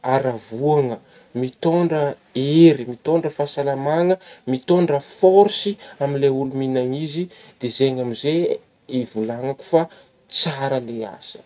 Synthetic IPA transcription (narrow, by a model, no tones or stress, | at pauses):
aɾavuaŋə | mit̪oɳɖ͡ʐə | eɾimit̪oɳɖ͡ʐəfasalamaŋəmit̪oɳɖ͡ʐəfoɾsiamileuluminaŋizi | d̪̥ezeɲamize | ivulaŋaku̥fa | t͡saɾəlea̰sə̥